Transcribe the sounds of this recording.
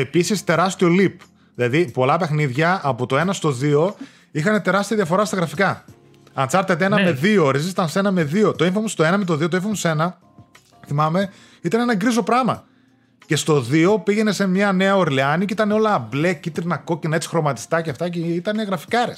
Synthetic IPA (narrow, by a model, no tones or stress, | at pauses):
e̞pisist̪e̞ɾɐst̪io̞lip | ðilɐðipo̞lɐpe̞xniðʝɐːpot̪o̞e̞nɐst̪oðio̞ | ixɐne̞t̪e̞ɾɐst̪iɐðjɐfo̞ɾɐst̪ɐɣɾɐfikɐ | ɐnt͡sɐɾt̪et̪eenɐme̞ðioɾesit̪ɐnse̞nɐme̞ðiot̪o̞ĩɱfɐmost̪o̞e̞nɐmet̪o̞ðiot̪oĩɱfɐmose̞nɐ | θimɐme̞ | it̪ɐne̞nɐɡɾizo̞pɾɐmɐ̰ | ce̞st̪o̞ðio̞piʝe̞ne̞se̞mɲɐne̞ɐo̞ɾliɐniceit̪ɐneo̞lɐːble̞cit̪iɾnɐko̞cinɐet͡si̥xɾo̞mɐt̪i̥st̪ɐceɐft̪ɐceit̪ɐne̞ɣɾɐfi̥kɐɾes